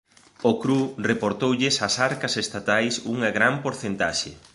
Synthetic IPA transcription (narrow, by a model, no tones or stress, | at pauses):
okɾurepoɾt̪owʎɪsɐsaɾkɐsest̪at̪ajsuŋɐɣɾampoɾθent̪aʃḛ